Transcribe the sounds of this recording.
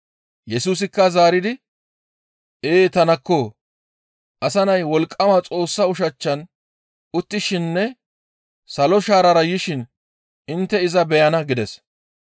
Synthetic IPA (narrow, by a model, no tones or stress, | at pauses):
jɛsuːs̬ɪkːɐzaːɾɪd̪ɪ | eːt̪ɐnɐkːo | ʔɐsɐnɐjwɔlkʼːɐmɐt͡sʼo̞ːsːɐʊʃɐt͡ʃːɐn | ʊt̪ːɪʃɪnːɛ | sɐlɔʃaːɾɐɾɐjɪʃɪn | ɪnt̪ːɛɪzɐbɛjɐnɐɡɪd̪ɛs